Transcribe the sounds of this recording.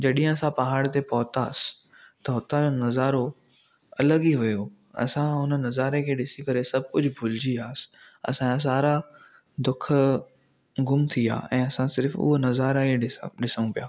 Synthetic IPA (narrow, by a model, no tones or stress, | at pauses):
d͡ʑɐɗĩɦə̃ɐsãpɐɦaːɽt̪epɐɦʊt̪aːsɪ̥ | t̪ɐɦʊt̪ad͡ʑonɐzaːɾo | ɐləɠiʋʊjo | ɐ̰sãɦʊnənɐzaːɾekʰeːɗɪsikɐɾesɐb̚ʱkʊd͡ʑʱʊbʱʊld͡ʑiaːsɪ̥ | ɐ̰sãs̬aːɾa | d̪ʊkʰ | ɡʊmt̪ʰia̰ːɛ̰̃ːɐsãsɪɾfʊ̰ɦonɐzaːɾaiɪɗɪsəɽ̃ũpijaː